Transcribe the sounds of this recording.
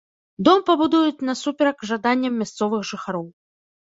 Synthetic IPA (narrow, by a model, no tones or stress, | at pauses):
d̪ɔmpɐbud̪ujut͡sʲnɐsupʲɛɾɐkʐad̪anʲːɐmːʲast̪sɔvɨxʐɨxaɾɔw